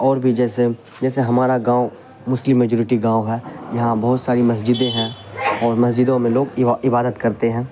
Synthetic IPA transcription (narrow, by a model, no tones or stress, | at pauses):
ɔːɾbʱid͡ʒɛːse | d͡ʒɛːseɦɐmaːɾaɡãːo | mʊslɪ̃mːed͡ʒoːɾɪʈiɡãːoɦɛːjɐɦãbɐɦʊt̪saːɾimɐs̬d͡ʒɪd̪ẽɦɛ̃ːɔːɾmɐsd͡ʒɪd̪õmẽloːɡɪbaːd̪ət̪kɐɾt̪eɦɛ̃ː